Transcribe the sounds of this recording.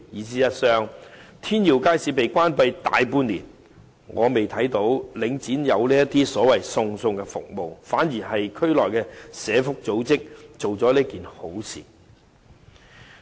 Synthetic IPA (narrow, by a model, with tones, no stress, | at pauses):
jiː˨˧siː˥jɐ˥t̚sœː˥ŋt̪ʰiː˥njiː˨˩wkaː˥jsiː˨˥pe˨jkʷaː˥npɐ˧jt̪a̰ː˨jpuː˧nlḭː˨˩n | ŋʔɔː˨˧me˨˩jt̪ʰɐ˨˥jt̪o˨˥wlɪ˨˥ŋt͡siː˨˥njɐ˨˧wliː˥jɐ˥t̪iː˥sɔː˨˥wɐ˨jsʊ˧ŋsʊ˧ŋkɛː˧fʊ̰˨k̚mo˨wfaː˨˥njiː˨˩ɦɐ˨jkʰɵ˥ɥlɔː˨jkɛː˧sɛː˨˧fʊ˥k̚t͡so˨˥wt͡sɪ˥k̚t͡so˨wt͡sɔː˨˥liː˥kiː˨nho˨˥wsḭː˨˩